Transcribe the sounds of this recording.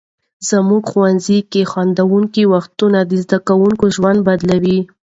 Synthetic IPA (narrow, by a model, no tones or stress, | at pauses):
z̥əmuɡxwanzikexwand̪awuŋkiwaxt̪unad̪əzd̪akawuŋkoʒwand̪̚bad̪lawi